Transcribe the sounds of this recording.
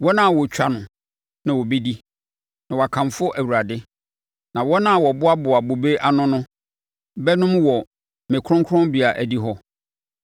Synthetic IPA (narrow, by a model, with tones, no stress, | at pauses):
wɔ˦nã˦˨wɔ˨t͡ɕʰᶣa˨nʊ̃˨ | nã˨wɔ˨be˦di˦ | nã˨wɔ˨a˨kʰã˨mfʊ˦ʔæ˨wu˨ɾa˨dɪ˦ | nã˨wɔ˦nã˦˨wɔ˨bʊ˦a˦bʊ˨a˨bo˨be˦ʔa˦nʊ̃˦nʊ̃˦ | bɛ˦nʊ̃˦mwɔ˨ | mẽ˨kʰɾʊ̃˦ŋkʰʊ˦ɾɔ̃˦mbɪ˨a˨ʔæ˨di˦ɦɔ˦